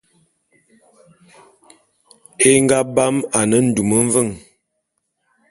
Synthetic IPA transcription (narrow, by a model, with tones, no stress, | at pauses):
e˦ŋ˦ɡa˦ba˦ma˨nə˦n̩˨du˨mə˦ɱ˦və˦˨ŋ